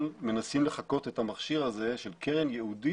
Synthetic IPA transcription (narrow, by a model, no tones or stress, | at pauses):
lme̞nasimle̞χako̞t̪ethamaχʃiʁaze̞ʃe̞lkʰeʁenjeudi